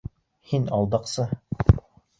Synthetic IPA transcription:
hinɑlˠd̪ɑqsɤ

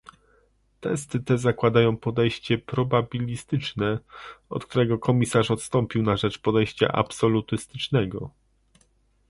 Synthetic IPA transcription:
t̪ɛst̪ɘt̪ɛzakwad̪ajɔ̃w̃pɔd̪ɛjɕt͡ɕɛpɾɔbabʲilʲist̪ɘt͡ʂnɛɔ̰t̪̚kt̪uɾɛɡɔkʰɔmʲisaʂɔt̪st̪ɔmpʲiwnaʐɛt͡ʂpɔd̪ɛjɕt͡ɕa̰ʔa̰psɔlut̪ɘst̪ɘ̥t͡ʂnɛɡɔ̰

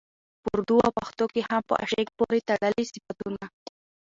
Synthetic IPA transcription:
pʊɾd̪uawpaxt̪okehampə̰ʔa̰ʃek̚poɾet̪aɽəlisɪfat̪una

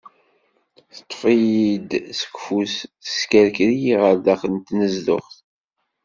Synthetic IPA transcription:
θə̥t̪ˤːfijid̪sə̥kfusθə̥skæɾkɾijiʁəɾd̪aχənt̪nəzðʊ̰χθ

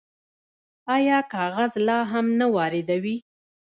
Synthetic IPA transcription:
ɑjɑkɑɣazlɑɦamnawɑɾɪd̪awi

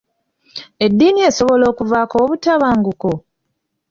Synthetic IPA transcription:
e̞dːiːnie̞ːso̞βo̞lo̞ːkuvaːkoːβutaβaːŋɡuko

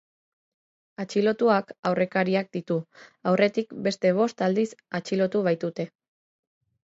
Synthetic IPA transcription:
at͡ʃilo̞t̪uakawrʔe̞kaɾiak̚d̪it̪uawre̞t̪ikbe̞st̪e̞β̞o̞st̪ald̪isat͡ʃilo̞t̪uβ̞ajt̪ut̪e̞

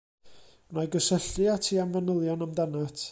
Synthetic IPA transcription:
najɡəsəɬɨatʰiːamvanəlˠjɔnamdanatʰ

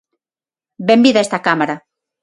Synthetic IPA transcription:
bembiðaest̪akamaɾa

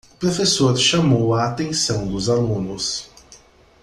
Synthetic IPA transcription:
ʊpɾofesoɾʃamowaːt̪ẽsɐ̃w̃d̪ʊzalũnʊs

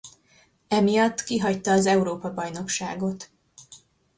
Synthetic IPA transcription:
ɛmijɒt̪ːkiɦɒct̪ɒːzɛuɾoːpɒbɒjno̞kʃa̰ːɡo̞t̪

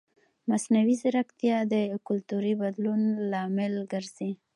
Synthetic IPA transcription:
masnawizɪɾakt̪ijɑd̪əkʊlt̪uɾibad̪lunlɑmɪlɡəɾz̥i

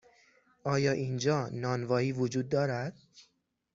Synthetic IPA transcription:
ʔɒːjɒːʔiːnd͡ʒɒːnɒːnvɒːiːvod͡ʒuːd̪̚ːɒːɾæd̪̥

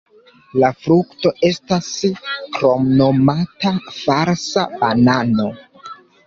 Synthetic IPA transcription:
lafɾukto̞ʔe̞staskɾo̞mno̞matafaɾsabanano̞

